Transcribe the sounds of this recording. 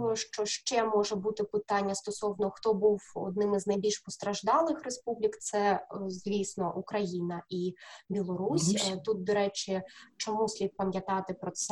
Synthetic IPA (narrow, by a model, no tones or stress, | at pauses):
ɔʃt͡ʃɔʃt͡ʃɛmɔʒɛbut̪ɪpɪt̪ɑnʲːɐst̪ɔsɔwnɔxt̪ɔbuwɔ̰d̪̚nɪmɪznɐjbʲilʲʃpɔst̪ɾɐʒd̪ɑlˠɪxrespublʲikt̪sɛzʲʋʲisnɔʔukɾɐjinɐibʲilˠɔɾusʲt̪ut̪̚d̪ɔɾɛt͡ʃɪt͡ʃɔmusʲlʲit̪̚pɐmʲjɐt̪ɑt̪ɪpɾɔt̪sɛ